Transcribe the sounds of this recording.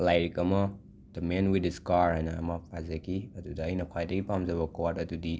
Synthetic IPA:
lajɾikɐmɐ | d̥ɐmenwidiskaɾajnɐːmɐpʰazakiɐdudaːjnɐkʰwajdɐɡipamzaβɐkɔwatɐdudi

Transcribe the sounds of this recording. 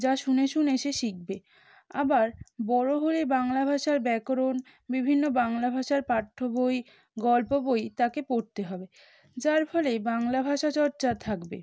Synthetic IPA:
d͡ʑaʃuneʃuneʃeʃik̚be | a̰baɾbɔɾoɦolebaŋlabʱaʃaɾbɛkɾon | bibʱinːobaŋlabʱaʃaɾpaʈʰːoboj | ɡɔlpobojt̪akepoɾt̪eɦɔbe | d͡ʑaɾfʰɔlebaŋlabʱaʃat͡ɕɔɾt͡ɕat̪ʰakbḛ

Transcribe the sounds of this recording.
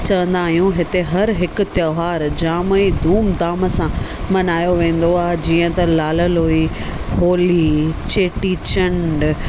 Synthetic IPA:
t͡ɕɐʋə̃nd̪aːɦijũɦɪt̪eɦɐɾɦɪkʊ̆t̪jɐɦaːɾd͡ʑaːməid̪ʱuːmd̪aːmə̆sã | mɐnaːjoʋẽːn̆d̪oaːɦed͡ʑiːə̃t̪ɐlaːləlɦui | hoːlit͡ɕeːʈiːt͡ɕəɳɖ

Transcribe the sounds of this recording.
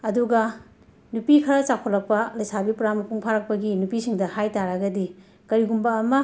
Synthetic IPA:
ɐduɡɐ | nupikʰɐɾɐt͡ʃakʰolɐk̚pɐlɐjsabipuɾamɐkʰuŋpʰaɾɐk̚pɐɡinupisiŋdɐhajtaɾaɡɐdi | kɐɾiɡumbɐːmɐ

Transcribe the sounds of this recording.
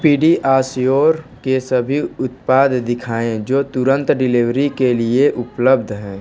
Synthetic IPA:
piːɖiʔaːsjoːɾkesəbʱiʊt̪paːd̪d̪ɪkʰaːẽd͡ʒoːt̪ʊɾə̃nt̪ɖɪliʋɾikelieʔʊpləbd̪ʱɦɛ̃ː

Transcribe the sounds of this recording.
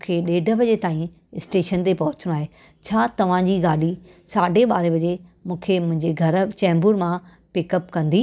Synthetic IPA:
mũːkʰeɗeːɖʱə̆bɐd͡ʑet̪aːĩ | ɪsʈeːʃənt̪epɐɦʊt͡ɕəɽ̃aːɦeː | t͡ɕʰaːt̪ɐʋ̤ãd͡ʑiːɡaːɽi | saːɖʱeɓaːɾebɐd͡ʑemũːkʰemʊ̃ɦɪ̃ɲd͡ʑeɡʱɐɾt͡ɕɛ̃ːmbʊɾmã | pɪkəpkɐ̃nd̪iː

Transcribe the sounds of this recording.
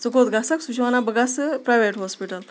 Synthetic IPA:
d͡zəkot̪ɡasaksut͡ʃʰʋanabəɡasəpɾajʋeʈɦɔspiʈəl

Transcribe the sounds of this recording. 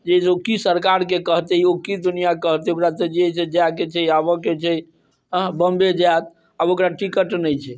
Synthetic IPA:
d͡ʒesokisəɾkaɾkekəɦt̪ɛiokid̪unijakəɦt̪ɛokɾat̪ɛd͡ʒeesed͡ʒaket͡ʃʰɛabəket͡ʃʰɛ | əɦbəmbed͡ʒat̪ | abokɾaʈikəʈnɛjt͡ʃʰɛ

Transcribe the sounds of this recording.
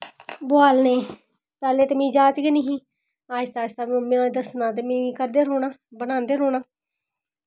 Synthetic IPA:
boaːlneː | t̪aːleːt̪emĩːd͡ʒaːt͡ʃɡeniɦĩː | aːʃt̪aːt͡ʃt̪aːmẽãd̪əsnãːt̪̬eːmĩːkəɾd̪eːɾoːnaːbənãːnd̪eːɾoːnaː

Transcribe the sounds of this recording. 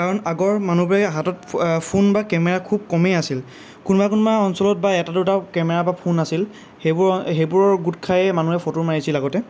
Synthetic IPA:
kaɹɔnaɡɔɹmanubɹaɦatɔt̚pʰunbakɛmɛɹakʰub̚kɔmejasil | kunbakunbaɔnsɔlɔt̚baɛtadʊtakɛmɛɹabapʰunasil | hebɹɦejbuɹɔɹɡutkʰajɛmanuɛpʰɔtuɹmaɹisilaɡɔtɛ

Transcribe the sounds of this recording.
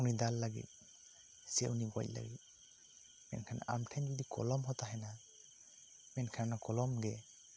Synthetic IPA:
unidalːaɡḭt̚ | sɛuniɡɔ̰jc̚la̰ɡit̚ | mɛ̰nkʰana̰ʔamtʰaɲd͡ʒɔdikɔ̰lɔmɦɔtaɦɛna | mɛnkʰanakɔlɔmɡɛ

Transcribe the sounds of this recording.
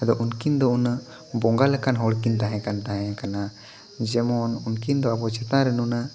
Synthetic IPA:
ɛd̪ɔʔunkind̪ɔuna | bɔŋɡalɛkanɦɔɽkint̪aɦɛ̃kant̪aɦɛ̃kana | d͡ʒɛmɔnunkind̪ɔabɔt͡ʃɛt̪ãɾɛnuna

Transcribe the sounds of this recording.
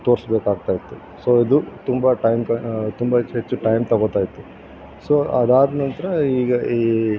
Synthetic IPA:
t̪o̞ːɾsbeːkaːɡ̚t̪aːjit̪ːu | soːid̪ut̪umbɐʈɐjmkɐt̪umbɐet͡ʃːuʈɐjmt̪ɐɡoːt̪aːjit̪ːu | soːɐd̪aːd̪nɐnt̪ɐɾɐiːɡɐi

